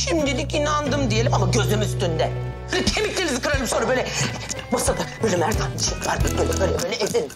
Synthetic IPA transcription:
ʃimd̪ilʲicinand̪ɯmd̪ije̞lʲimamaɟø̞zlʲemizst̪ynd̪ɛbøːlʲɛt̪ʰemiclʲelʲizikʰɯɾalʲˠimsonɾabølʲɛ | masad̪abøjlʲɛmæɾd̪annɯʃɯmvaɾɯbøjlʲɛbøːjlʲɛbølʲɛezenʲi

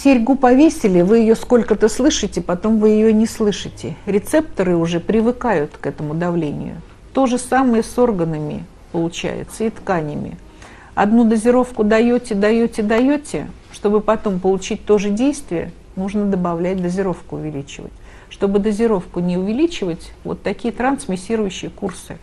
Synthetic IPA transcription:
sʲɪɾʲɡupɐvʲesʲɪlʲɪvɨjɪjo̞sko̞lʲkət̪əslˠɨʂɨtʲɪpɐt̪o̞mvɨjɪjonʲɪslˠɨʂɨtʲɪɾʲɪt̪sɛp̚t̪əɾɨʊʐɛpɾʲɪvɨkajʊt̪kɛt̪əmʊd̪ɐvlʲenʲɪ̰jʊ̰ | t̪o̞ʐɨsaməjəso̞rɡənəmʲɪ̰ | pəlˠʊt͡ɕæ̰jɪ̰t̪səit̪kanʲɪmʲɪ̰ | ɐ̰d̪nud̪əzʲɪɾo̞fkʊd̪ɐjotʲɪd̪ɐjotʲɪd̪ɐjotʲɪ̰ | ʂt̪o̞bɨpɐt̪o̞mpəlˠʊt͡ɕit̚ʲt̪o̞ʐɨdʲejst̪vʲɪjə̰ | nuʐnəd̪əbɐvlʲæt̚ʲd̪əzʲɪɾo̞fkʊʊvʲɪlʲit͡ɕɪvə̰t̚ʲ | ʂt̪o̞bɨd̪əzʲɪɾo̞fkʊnʲɪʊvʲɪlʲit͡ɕɪvətʲvo̰t̪ːɐkʲijət̪ɾansmʲɪsʲiɾʊjʉɕːɪjəkursɨ̰

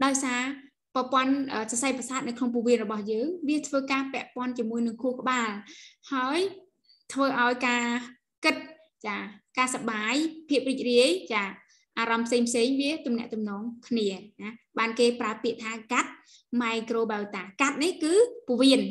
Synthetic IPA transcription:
ɗaɔjsaː | prɑpŏənʔəːsasajprasaːt̪̚nɨwkʰnoŋp̬uʋiənrɔɓɑhjəːŋʋiət̪ʰʋəːkaːpɛ̆əʔpŏənt͡ɕiəmuəjnɨŋkʰuəhkə̆ɓaːlhaəj | t̪ʰʋəːʔaɔjkaː | kɨt̪̚ | t͡ɕaːkaːsaɓaːjpʰiəp̚riːc̚riəjt͡ɕaː | ʔaːɾɑmpʰseːŋpʰseːŋʋiət̪umnɛ̆əʔt̪umnɔːŋkʰniənaɓaːnkeːpraəpiəʔt̪ʰaːkat̪̚ | maɛkroːɓawt̪aːkat̪̚nihkɨːpuʋiən

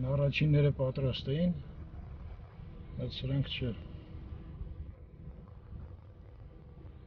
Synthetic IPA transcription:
nɑrɑt͡ʃʰinːɛɾəpɑt̪ɾɑst̪ɛjin | bɑjt͡sʰsəɾɑŋkʰt͡ʃʰɛ

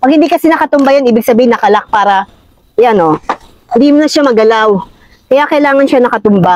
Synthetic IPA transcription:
pɐɡ̚hɪnd̪ikɐsɛnɐkɐt̪ʊmbajanʔiːbɪɡ̚sɐbiːhɪnːɐkɐlak̚paːɾɐ | jano | hɪnd̪imʊnɐʃamɐɡɐlaw | kɐjakɐjlaːŋɐnʃanɐkɐt̪ʊmba

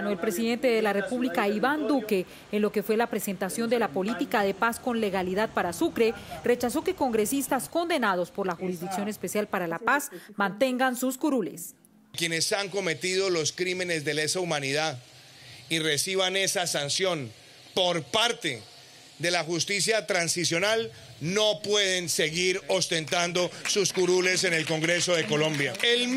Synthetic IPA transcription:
noe̞lpɾe̞siðe̞nt̪e̞ðe̞lare̞puβlikaiβand̪uke̞ː | nlo̞ke̞fwe̞lapɾe̞sent̪asjo̞nd̪e̞lapo̞lit̪ikaðe̞pasko̞nle̞ɣaliðað̚paɾasukɾe̞re̞t͡ʃaso̞ke̞ko̞ŋɡɾe̞sist̪asko̞nd̪e̞nað̞o̞spo̞ɾlaxuɾizd̪iksjo̞ne̞spe̞sjalpaɾalapasmãnt̪e̞ŋɡansuskuɾules | kje̞ne̞saŋko̞me̞t̪iðo̞lo̞skɾime̞ne̞zd̪e̞lesaumaniða | ire̞siβ̞ane̞sasansjõ̞n | po̞ɾpaɾt̪e̞ | d̪e̞laxust̪is̬jat̪ɾansisjo̞nal | no̞pwe̞ð̞e̞nse̞ɣiɾo̞st̪ẽ̞nt̪and̪osuskuɾule̞se̞ne̞lko̞ŋɡɾe̞so̞ðe̞ko̞lõ̞mbjael

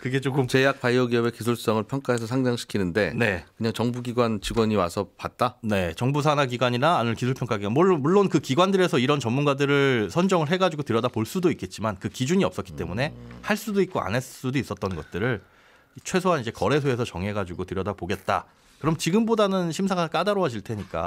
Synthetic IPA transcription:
kɯɡe̞t͡ɕokʰɯmt͡ɕe̞jak̚p͈ajʌɡiʌbe̞kis̬ʰuɭs͈ʌŋɯɭpʰjʌŋk͈aɦe̞sʰʌsʰaŋd͡ʑaŋɕʰi̥kʰinɯnde̞ne̞kɯɲaŋt͡ɕʌŋbuɡiɡwant͡ɕiɡwʌɲiwasʰʌpat̚t͈ane̞t͡ɕʌŋbusʰanaɡiɡwaɲinaːnɯɭkisʰuɭpʰjʌŋk͈aɡiamoɭːobuɭːonkɯkiɡwandɯɾe̞sʰʌiɾʌnt͡ɕʌmːunɡadɯɾɯɭsʰʌnd͡ʑʌŋɯɭɦe̞ɡad͡ʑuɡotɯɾjʌdapoɭs͈udoik͈e̞t̚t͡ɕ͈imankɯkid͡ʑuɲiʌp̚s͈ʌtk͈i̥t͈e̞mune̞haɭs͈udoik̚k͈oa̰nes͈udois͈ʌt͈̚ʌnɡʌt̚t͈ɯɾɯɭ | t͡ɕʰwe̞sʰoɦanid͡ʑe̞kʌɾe̞sʰoe̞sʰʌt͡ɕʌŋɦe̞ɡad͡ʑuɡotɯɾjʌdapoɡe̞t̚t͈a̰ | kɯɾʌmt͡ɕiɡɯmbodanɯnɕʰims̬ʰaŋak͈adaɾoad͡ʑiɭtʰe̞ɲik͈a̰

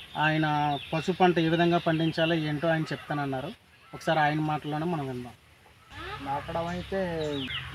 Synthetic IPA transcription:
aːjɐnɐpɐsupɐɳʈɐeːʋid̪ʱɐŋɡaːpɐɳɖiɲt͡ʃaːlaeːɳʈoːaːjɐnɐt͡ʃɛp̚t̪aːnɐnːaːɾu | ɔkɐ̥saːɾiaːjɐnɐmaːʈɐlːoːneːmɐnɐmind̪aːm | nɐkːɐɽɐmɐjit̪eː

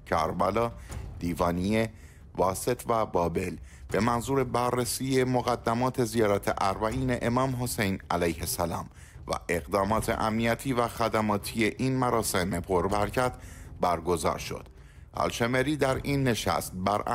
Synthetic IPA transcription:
cʰæɾbælɒːd̪̥iːvɒːnie | vɒːse̞t̪ʰvæbɒːbe̞l | b̥e̞mænzuːɾe̞bærːesiːje̞moɣæd̪ːæmɒːt̪ʰe̞zijɒːɾæt̪ʰḛʔæɾbæʔiːne̞ʔemɒːmɦo̞sejnæ̰læjhe̞sælɒ̰ːm | væ̰ʔe̞ɣd̪ɒːmɒːt̪ʰe̞̰ʔæmnijæt̪ʰiːvæxæd̪æmɒːt̪ʰije̞ʔinmæɾɒːse̞mepʰo̞ɾbæɾcʰæt̪ʰbæɾɡo̞zɒ̰ːɾʃo̞̰d̪̥ | æ̰lʃemeɾiːd̪æɾiːnːe̞ʃæ̰st̪̚bæɾ

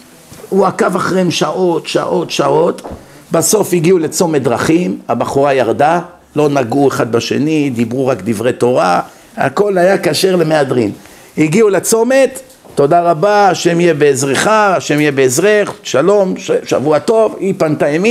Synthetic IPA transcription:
uakavaχʁemʃaʔo̞t̪ʃa̰ʔo̞t̪ʃaʔo̞t̪ | baso̞fiɡiulet͡so̞met̚d̪ʁaχimabaχuʁajaʁd̪a | lo̞naɡueχad̪̚baʃe̞̰nid̪ibʁuʁakd̪ivʁe̞t̪o̞ʁa | a̰ko̞lajakaʃe̞ʁle̞mead̪ʁim | hiɡiulet͡so̞me̞t̪ː | o̞d̪aʁabaaʃe̞mijebeezʁeχaaʃemijebeezʁeχʃalo̞mʃʃa̰vuat̪o̞vipantaemi

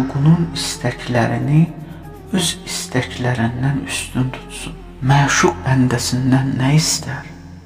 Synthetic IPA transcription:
ɡununist̪ʰæcʰlæɾini | øzist̪æclæɾind̪ænyst̪ynt̪ʰu̥t̪sun | mæːʃuʁænd̪æsind̪ænːæjist̪æɾ

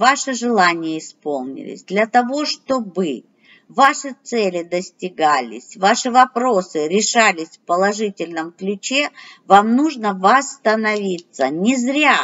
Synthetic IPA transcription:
vaʂɨʐɨlˠanʲɪjəɪspo̞lˠnʲɪ̰lʲɪ̰sʲd̪lʲɐt̪ɐvo̞ʂt̪o̞bɨ | vaʂɨt̪sɛlʲɪd̪əsʲtʲɪɡalʲɪ̰sʲvaʂɨvɐpɾo̞sɨɾʲɪʂalʲɪsʲfpəlˠɐʐɨtʲɪlʲnəmklʲʉt͡ɕe̞vamnuʐnəvɐst̪ənɐvʲit̪sənʲɪzɾʲa

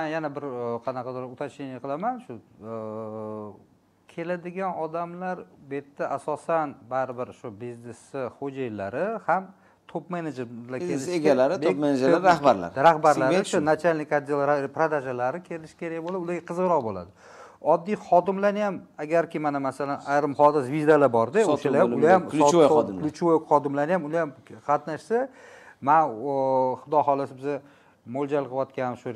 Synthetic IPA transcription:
manjanabɪɾqʰɑnɑqʰɑd̪ɪɾʊt̪ʰaʃɪnɪqʰɨlˠamanʃʊ | kʲʰe̞lad̪ɪɡʲanɒd̪amlaɾbet̪ʰːaʔasɒsanbaɾɪbɪɾʃʊbiznesɪhod͡ʒajlaɾɪham | t̪ʰopmened͡ʒeɾlaelɪʃeɡʲalaɾɪbmened͡ʒɾaɾahbaɾla̰ɾɾahbaɾllaɾʃʊnat͡ʃʰalʲnɪkʲad̪elˠɾapɾad̪aʒalaɾɪkʲʰe̞lɪʃɪ̥kʲʰe̞ɾajʲbolˠad̪ʊd̪aɡʲaqʰɨzʁɾɒqbola̰d̪ɪ | ɒd̪ːijχɒd̪ɪmlanɪjamaɡʲaɾkʲɪmanamasalanajɾɪmχɒd̪ɪsvid̪alabɒɾd̪eoʃalajaʊlajamsojd̪kʰlʊt͡ʃʰvojkχɒd̪ɪmlanɪjamʊlajamqʰɑt̪naʃsaman | χʊd̪ɒhɒlˠɪsɪbɪza | mold͡ʒalˠqʰɨwɒt̪̚kʲanʃʊ

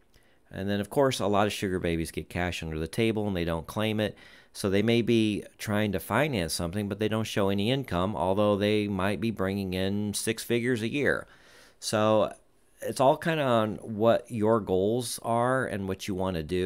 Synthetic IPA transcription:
ʔɨ̰̃nðɨ̃ñʌv̥kʰɔɹsəlɑɾʌv̥ʃʊɡə˞beɪbizɡɛt̚kʰæʃtʌ̃ndə˞ðɨtʰeɪbl̩ˠə̃nðeɪɾõʊ̃nkʰl̥ẽɪ̃mɪt̚soʊðeɪmeɪbitʰɹ̥aɪɪ̃ŋtɨfãɪ̃næ̃nsʌ̃mθɪ̃ŋbʌt̪̚ðeɪɾõʊ̃ntʃoʊɛniɪ̃nkʰʌ̃mɔ̰lˠðoʊðeɪmaɪt̚b̥ibɹɪ̃ŋɪ̃ŋɪ̃nsɪksfɪɡjə˞zɨjɪɹ | soʊ | ɪtsɔlˠkʰãɪ̃ndənwʌt͡ʃə˞ɡoʊlˠzə˞ɨ̰̃nwʌt͡ʃɨwɑ̃nɨdɨ

